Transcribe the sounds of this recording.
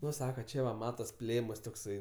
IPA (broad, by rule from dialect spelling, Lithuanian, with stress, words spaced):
ˈnʊ ˈsɑːkɐ ˈt͡ʃʲɛ ʋɐ ˈmɑːtɐs ˈpʲlʲeːmɐs toːkˈsɐɪ